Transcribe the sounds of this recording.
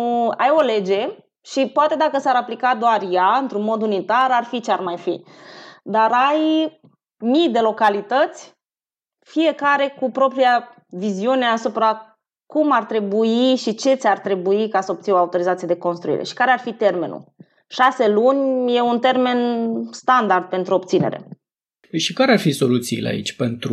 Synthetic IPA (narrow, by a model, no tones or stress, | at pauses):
ajo̞le̞d͡ʒe̞ | ʃipoat̪e̞d̪akəsaɾaplikad̪oarjaɨnt̪ɾunmo̞d̪unit̪aɾarfit͡ʃearmajfḭ | d̪aɾaj | mijd̪e̞lo̞kalit̪ət̪sʲ | fije̞kaɾe̞kupɾo̞pɾija | viziune̞asupɾa | kumart̪ɾe̞buiʃit͡ʃe̞t̪sʲart̪ɾe̞buikasəo̞p̚t̪sinoaut̪o̞ɾizat̪sijad̪e̞ko̞nst̪ɾuḭɾʔḛʃi̥kaɾearfit̪e̞rme̞nṵ | ʃase̞lunʲje̞unt̪e̞rme̞nst̪and̪ard̪̚pe̞nt̪ɾuo̞bt̪sine̞̰ɾe̞̰ | ʃikaɾearfiso̞lut̪siḭlḛa̰ḭt͡ʃʲpe̞nt̪ɾu